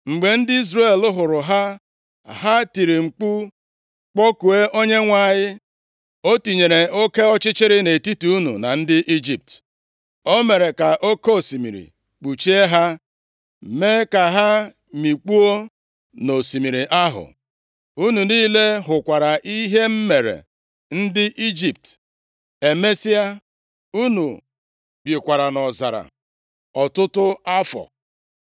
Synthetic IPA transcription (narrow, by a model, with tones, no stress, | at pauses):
ŋ͡m̩˨ɡ͡be˨n̩˦dɪ˦i˦zɾe˦˨lʊ˦ɦʊ˨ɾʊ˨ɦa˦ | ɦa˦ti˨ɾi˨ŋ͡m̩˨k͡pu˦ | k͡pɔ˦ku˨e˦ʔo˦ɲe˦ŋʷa˨ɲɪ˦ | o˦ti˨ɲe˨ɾe˨o˦ke˦ɔ˦t͡ʃɪ˦t͡ʃɪ˦ɾɪ˦ne˨ti˦tu˦u˦nṵ˨na̰˨n̩˦dɪ˦ʔi˦d͡ʒi˨p̚t | o˦me˨ɾe˨ka˨ʔo˦ke˦o˨si˨mḭ˨ɾḭ˨ | k͡pu˨t͡ʃi˦e˦ɦa˦˨ | me˦ka˨ɦa˦ | mi˨k͡pu˦o˦ | no˨si˨mi˨ɾi˨ʔa˦ɦʊ̰˨ | u˦nu˨niː˦le˦ɦʊ˨kʷa˨ɾa˨ʔi˦ɦe˦m̩˦me˨ɾḛ˨ | n̩˦dɪ˦ʔi˦d͡ʒi˨p̚t | e˨me˦si˦a˦ | u˦nu˨ | bi˨kʷa˨ɾa˨nɔ˨za˨ɾa̰˨ | ɔ˨tʊ˦tʊ˦a˦fɔ̰˨